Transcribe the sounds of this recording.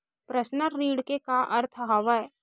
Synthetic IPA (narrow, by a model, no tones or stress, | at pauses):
pɾəsnəɾːiːɽkekaʔɐɾt̪ʰɦaʋə